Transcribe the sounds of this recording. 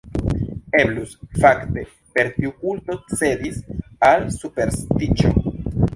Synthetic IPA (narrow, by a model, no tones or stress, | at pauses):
e̞blusfakte̞ | pe̞ɾtiukulto̞t͡se̞disalsupe̞ɾstit͡ʃo̰